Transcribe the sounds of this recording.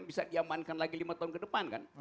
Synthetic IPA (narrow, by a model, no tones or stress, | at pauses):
bisadiamankanlaɡilimat̪aʊnkədəpanka̰n